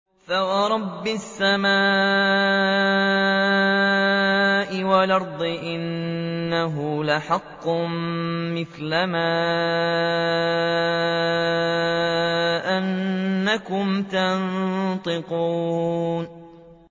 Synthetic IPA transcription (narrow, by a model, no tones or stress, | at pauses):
fawɑɾˤɑbːɪsːamaː | ʔɪwalʔɑɾˤd̪ˤɨʔɪnːaɦʊlaħɑqːʊ | mɪθlamaː | ʔanːakʊmt̪ant̪ˤɨquːn